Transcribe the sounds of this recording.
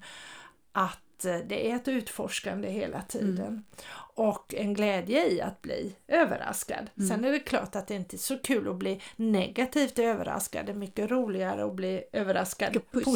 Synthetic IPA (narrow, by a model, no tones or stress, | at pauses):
ʔat̪d̪ɛʔæɛt̪ʉ̟ːt̪fɔʂkand̪əɦeːla̰t̪ʰiːd̪ə̰nɔkːɛnɡlɛːd̪jəɪa̰t̪̚blḭːøːvə̰ɾa̰ska̰d̪sɛnæɖɛkʰlɑ̰ːʈat̪̚d̪ɛɪnt̪əɛsɔkʰʉ̟ːlʔɔblinɛɡat̪ʰiːft̪øːvə̰ɾa̰ska̰d̪mʏkːəɾuːlɪɡaɾə̰ɔbliːøːvəɾaskad̪